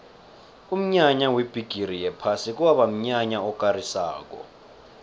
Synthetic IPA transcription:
um̩ɲaɲaweb̥ʱiɡ̥ʱirijɛpʰasik̬uwaɓam̩ɲaɲaɔkʼarisa̰ːk̬ɔ̰

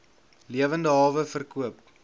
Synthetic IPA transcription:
liəvəndəɦɑːvəfərkuəp

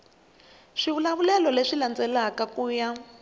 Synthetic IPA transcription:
ʂiβulaβulɛlɔleʂiland͡zɛlakakuːja

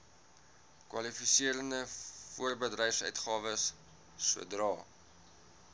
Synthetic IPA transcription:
kwɐ̰lifisiəɾəndəfuərbədrɛjfsœ̰ɥtχɑːvəsː | ṵədrɑː

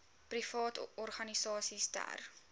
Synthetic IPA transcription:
prifɑːtɔrχɐnisɑːsistæ̰r

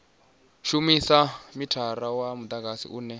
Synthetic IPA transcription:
ʃumisamitʰaɾawamud̪aɡasḭʔuːnɛ

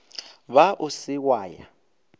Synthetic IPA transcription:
βaʔʊsɪk̬waːja̰

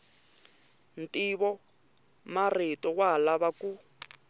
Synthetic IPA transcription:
n̩tʼiβɔ | maretʼɔɣwalaβaku

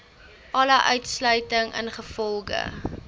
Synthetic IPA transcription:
ʔɐləʔœɥtslœɥtəŋə̰nχəfɔlˠɡə̰

